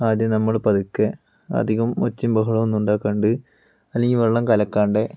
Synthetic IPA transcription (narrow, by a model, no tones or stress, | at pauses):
aːd̪jɐmnɐmːuɽpɐd̪ukːe | ɐ̰d̪ʱiɣɐmo̰t͡ɕːimbɐɦuɭɐʋonːuɳɖaːkːɐɳɖɨ | ɐlːeŋɡilʋeɭːɐmkɐlɐkːaːɳɖe